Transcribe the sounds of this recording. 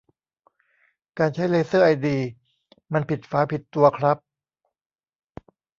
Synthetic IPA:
kaː˧nt͡ɕʰa˦˥jleː˧˥sɤː˥˩ʔa˧jdiː˧ | ma˧npʰi˨˩t̪̚faː˦˥pʰi˨˩t̪ːu˧ɐkʰɾa˦˥p̚

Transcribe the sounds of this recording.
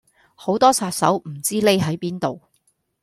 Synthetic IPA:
ho˨˥wt̪ɔː˥sʰaː˧t̚sɐ̰˨˥wm̩˨˩t͡siː˥le˥jɦɐ˨˥jpiː˥nt̪o˨w

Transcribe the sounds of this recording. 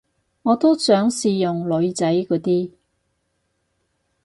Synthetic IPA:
ŋɔː˨˧t̪o˥sœː˨˥ŋsiː˨˧jʊ˨ŋlɵ˨˧ɥt͡sɐ˨˥jkɔː˨˥t̪iː˥

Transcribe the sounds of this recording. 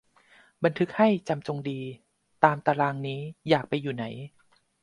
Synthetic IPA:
ba˧nt̪ʰɯ˦˥k̚ha˥˩jt͡ɕa˧mt͡ɕo˧ŋdiː˧ | t̪aː˧mt̪aː˧ɾaː˧ŋniː˦˥jaː˨˩k̚pa˧jːuː˨˩na˩˦j

